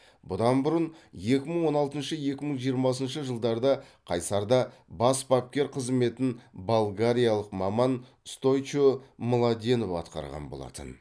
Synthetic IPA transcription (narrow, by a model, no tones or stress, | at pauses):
bʊd̪ɑnbʊɾənje̞kʲɪməɴwo̞nɑlˠt̪ənʃəje̞kʲɪməɴʒijəɾmɑs̬ənʃəʒəlˠd̪ɑɾd̪ɑqʰɑjsɑɾd̪ɑ | bɑsbɑp̚kʲe̞ɾqʰəzme̞t̪ɪnbalˠɡaɾʲijalˠəqmɑmɑn | st̪o̞jt͡ʃomolˠad̪enopɑ̰t̪qɑ̰ɾʁɑ̰nbolˠɑ̰t̪ə̰n